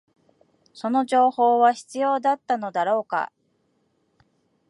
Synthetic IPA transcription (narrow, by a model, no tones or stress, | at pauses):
so̞no̞ʑo̞ːho̞ːβaçi̥t͡sɨjo̞ːd̪at̪ːano̞d̪aɾo̞ːka̰